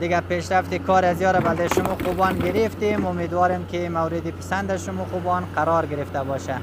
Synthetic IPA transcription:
d̪ɪɡapeʃɾaft̪ɪkʰɔɾazjɔɾabald̪aʃʊmɔqubɔnɡɪɾɪft̪emʊmed̪wɒɾemkɪmawɾɪd̪ɪpɪ̥sand̪aʃʊmɔqubɔnqaɾɔɾɡɪɾɪft̪abɔʃa

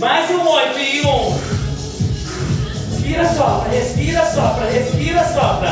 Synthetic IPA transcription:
mazũõpiõ | spiɾɐsɔpɾɐhespiɾɐsɔpɾɐhespiɾɐsɔpɾɐ

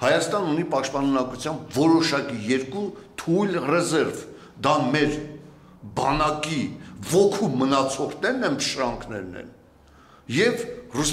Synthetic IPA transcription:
hɑjɑst̪ɑnunipɑʃt̪̚pɑnunɑkut͡sʰjɑmbvɔɾɔʃɑkijɛɾkut̪ʰujlrɛzɛɾv | d̪ɑmɛɾ | bɑnɑkivɔkʰumːənɑt͡sʰɔɾnɛɾnɛnəʃɾɑŋkʰnɛɾnɛ̰n | jɛvrus

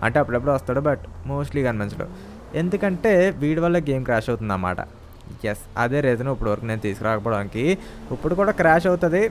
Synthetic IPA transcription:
ɐ̰ɳʈe̞ːɐpːuɽepːuɽuːʋɐst̪aːɽubɐʈmoːsʈliːɡɐnmɐnt͡ʃlṵ | e̞nd̪ukɐɳʈe̞ːʋiːɽʋɐlːɐːɡe̞ːmkɾaːʃɐwt̪und̪aːma̰ːʈɐ̰ | jesɐ̰d̪e̞ːɾeːt̪unoːipːuɽuʋɐɾɐkune̞ːnut̪iːsu̥kiɾaːkɐpɔːɽaːnikiipːuɽukuːɽaːkɾaːʃɐwut̪ɐd̪i

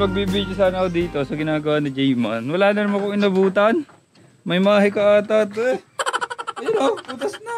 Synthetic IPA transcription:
pɐɡ̚biːbɪkɐsanakod̪iːt̪osɐɡɪnaːɡɐwanɪd͡ʒɛjmɐnwɐlaːnɐɾɪmɐkoŋɪnɐbuːt̪ɐn | mɐjmaːɦɐkɐaːt̪at̪ɛ | ɛnouːt̪ɐsnɐ

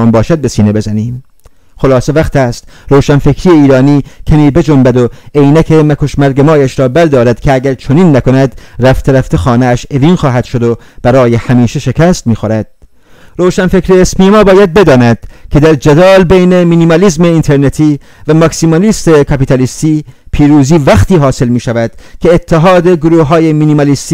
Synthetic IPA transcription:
ɒːnbɒːʃæd̪̚be̞siːne̞be̞zæniːm | χo̞lɒːse̞væχt̪æst̪ɾoːwʃænfekʰɾiːjeiːɾɒːniːcʰæmiːbe̞d͡ʒombæd̪oejnækʰemækʰo̞ʃmæɾɡemɒːjæʃɾɒːbæɾd̪ɒːɾæd̪̥kʰeæɡæɾt͡ʃʰoniːnːæko̞næd̪ɾæft̪ʰeɾæft̪ʰexɒːneæʃe̞viːnxɒːɦæd̪̥ʃod̪o | b̥æɾɒːje̞hæmiːʃe̞ʃe̞kʰæst̪miːxoɾæd̪̥̚ | ɾowʃænfekɾeːsmiːemɒːbɒːjæd̪̚be̞d̪ɒːnæd̪̥kʰe̞d̪æɾd͡ʒæd̪ɒːlbejnemiːnimɑliːzme̞int̪ʰeɾnet̪ʰiː | væmɒksimɑliːst̪e̞kʰɑpit̪ɑlist̪iːpʰiːɾuːziːvæxt̪ʰiːɦɒːse̞lmiːʃævæd̪̥kʰʲe̞ːt̪ʰːeɦɒːd̪e̞ɡoɾuːhɦɒːjeminimɑlist̪i

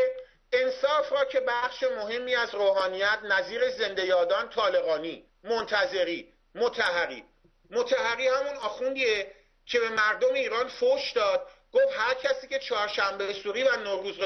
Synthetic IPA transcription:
e̞nsɒːfrɒːcʰe̞bæχʃemoɦe̞mːiːæzroːhɒːnijæt̪ʰnæziːɾe̞ze̞nd̪e̞jɒːd̪ɒːnt̪ʰɒːle̞ɣɒːniː | mont̪ʰæze̞ɾiː | mot̪ʰæhæɣḭː | mot̪ʰæhæɣiːhæmunɒːxund̪ie | cʰe̞be̞mæɾd̪omeiːɾɒːnfoʃd̪ɒːd̪̥̚ɡ̥oːfhæɾcʰæsiːcʰe̞t͡ʃʰɒːɾʃæmbesuːɾiːvænoɾuːzɾe

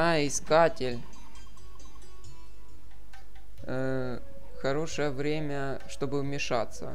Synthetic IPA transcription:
ajəɪskatʲɪlʲ | xɐɾo̞ʂəjəvɾʲemʲə | ʂt̪o̞bɨʊmʲɪʂat̪sə̰

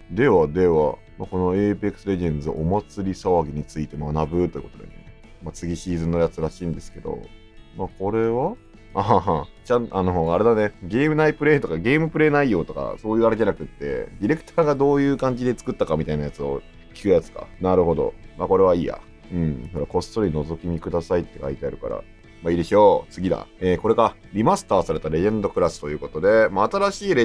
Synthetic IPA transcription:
d̪e̞βad̪e̞βa̰ | mako̞no̞eːpekːɯ̟̥sɨɾe̞ʑẽ̞nd͡zɨʔomat͡sɨɾʲisaβaɡʲiɲ̟it͡sɨit̪e̞manabɯ̟t̪oiɯ̟kot̪d̪ã̰nd̪ene̞ | mat͡sɨɡʲiɕiːzɨ̃nːojat͡sɨɾaɕĩːnd̪e̞sɨ̥ke̞d̪o̞̰ | mako̞ɾe̞βa | at͡ɕãano̞aɾe̞d̪ane̞ɡʲe̞ːmɯ̟naipɯ̟ɾe̞ːt̪o̞kaɡʲe̞ːmɯ̟pɯ̟ɾe̞ːnaijo̞ːt̪o̞ka̰so̞ːjɯ̟ːaɾed͡ʑanakɯ̟t̪ːe̞̰d̪ʲiɾe̞kɯ̟̥t̪ʰaːɡad̪o̞ːjɯ̟ːkãɲ̟d͡ʑid̪e̞t͡sɨ̥kɯ̟t̪ːakamʲit̪ainajat͡sɨo̞̰ | kʲi̥kɯ̟jat͡sɨ̥ka̰naɾɯ̟ɦo̞d̪o̞̰mako̞ɾe̞β̞aiːja̰ | ɯ̟̃ɴsoɾako̞st̪o̞ɾʲino̞zo̞kʲiɲ̟ikɯ̟d̪asait̪ːe̞kait̪e̞aɾɯ̟ka̰ɾa̰ | maid̪eɕo̞ːt͡sɨɡʲid̪a̰eːko̞ɾe̞ka | ɾʲimasɨ̥t̪aːsaɾe̞t̪aɾe̞ẽnd̪o̞kɯ̟ɾasɨ̥t̪o̞jɯ̟ːko̞t̪o̞d̪e̞maːt̪aɾaɕiːɾe

